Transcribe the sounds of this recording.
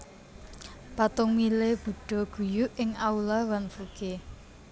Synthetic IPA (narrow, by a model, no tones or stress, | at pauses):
pat̪ʊŋmileb̥ṳɖ̥ɔ̤ɡ̥ṳjʊʔɪŋaulawanfuke